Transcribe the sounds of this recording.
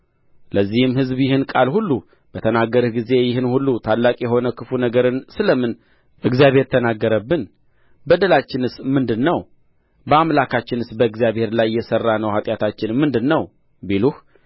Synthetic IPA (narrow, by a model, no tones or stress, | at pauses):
ləzːihɨmhɨzbjɪhɨnkʼalhulːu | b̥ət̪ʰənaɡːəɾɨhɡize̞jɪɦɨnhulːut̪ʰalːakʼjɛho̞nəkʰɨfunəɡəɾɨnsɨləmɨn | ʔɨɡzjaβheɾt̪ʰːənaɡːəɾəbːɨn | bəd̪əlat͡ʃːɪnɨsmɨnd̪ɨnːəw | bəamlakʰat͡ʃːɪnɨsbəɨɡzijaβhe̞ɾlajːɛsərːanəwhat̪ʼjat̪ʰat͡ʃːɪnmːɨnd̪ɨnːəw | biluh